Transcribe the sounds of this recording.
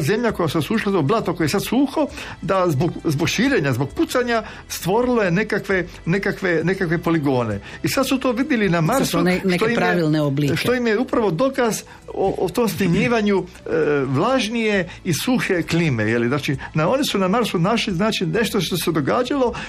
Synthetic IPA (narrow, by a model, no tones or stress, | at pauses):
ze̞mʎako̞jasuosuːʃlˠat̪oblˠat̪okojesad̪suːxo̞ | d̪azboɡzboɡʃiːɾe̞ɲazbo̞ɡ̚put̪saɲa | st̪ʋo̞ɾilojenekakʋe̞ | nekakʋe̞nekakʋe̞po̞liɡo̞ːnḛisad̪sut̪oːʋid̪ʲjelinamaɾsunʃet̪jiɾaʋilˠneobliːʃt̪ojimjeupɾaʋo̞d̪o̞kaz | oʔot̪omsniɲiːʋaɲu | ʋlˠaʒnije̞ | isuxe̞klimḛjeliznaːt͡ʃinao̞nisunamaɾsunaʃliznaːt͡ʃine̞ʃt̪oʃt̪ose̞d̪o̞ɡaːd͡ʒalo̞